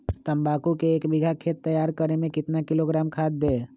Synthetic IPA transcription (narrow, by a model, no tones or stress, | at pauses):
t̪əmbaːkukeːkbɪɡʱakʰeːt̪ːəjaːɾkəɾemẽkɪt̪nakɪloɡɾaːmkʰaːt̪̚d̪eː